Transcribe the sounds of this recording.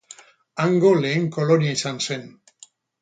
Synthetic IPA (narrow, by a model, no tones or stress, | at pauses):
aŋɡo̞le̞ːŋko̞loniaisanse̞n